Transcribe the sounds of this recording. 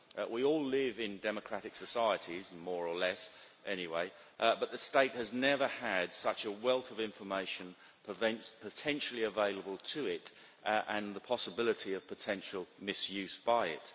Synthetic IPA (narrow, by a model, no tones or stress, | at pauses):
ʔwiɔlˠɪvɪ̃ndɛməkʰɹ̥æɾɨksɨsaɪɨɾizmɔɹəlɛs | ʔɛñiweɪʔbʌt̪̚ðɨsteɪt̚hɨznɛvə˞əd̥sʌt͡ʃəwɛlˠθʌvɪ̃ɱfə˞meɪʃɨ̃n | pʰṽpʰətʰɛ̃nʃl̩ˠiəveɪlˠəbəlˠtʰɨɪt | ʔə̃nðəpʰɑsəbɪlˠəɾiʌv̥pʰətʰɛ̃nʃl̩ˠmɪsjʉzbaɪɪ̰t̚